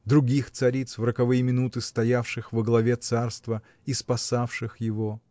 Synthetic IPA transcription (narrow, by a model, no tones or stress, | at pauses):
d̪ɾʊɡʲixt̪sɐɾʲit̪svɾəkɐvɨjɪmʲɪnut̪ɨst̪ɐjafʂɨxvəɡlˠɐvʲet̪sarst̪və | ispɐsafʂɨxjɪvo